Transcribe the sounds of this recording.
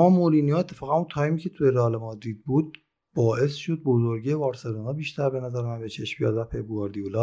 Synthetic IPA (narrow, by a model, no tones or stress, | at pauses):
mɒːmoɾiːnijoet̪ʰːe̞fɒːɣænunt̪ʰɒːjmiːcʲʰe̞t̪ʰujeɾɒːlemɒːd̪iːd̪̚buːd̪̚ | bɒːʔe̞sʃo̞d̪̚bozoɾɡevɒːɾseɾunɒːbiːʃt̪ʰæɾbe̞næzæɾemænbet͡ʃʰe̞ʃmbijɒd̪væpʰebuɒɾd̪iulɒː